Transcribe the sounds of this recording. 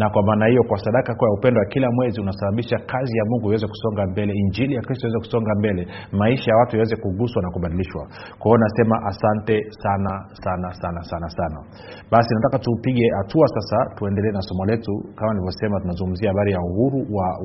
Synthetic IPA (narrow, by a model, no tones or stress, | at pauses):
nakwamaːnahijɔkwasaɗakakujaupɛndɔwakilamwɛziunasaɓaɓiʃakʰazijamuŋɡuiwɛzɛku̥sɔŋɡambɛlɛiɲd͡ʒilijakɾistɔiwɛzɛku̥sɔŋɡambɛlɛmaiʃajawatujawɛzɛkuɠuswanakuɓaɗiliʃwa̰ | kwaɔunasɛmaʔasantɛsanasanasanasanasana̰ | ɓasinatakatupiɠɛhatuasasatuɛndɛlɛːnasɔmɔlɛtukamanilivjɔsɛmatunazuŋɡum̩ziahaɓaɾijauhuɾuwa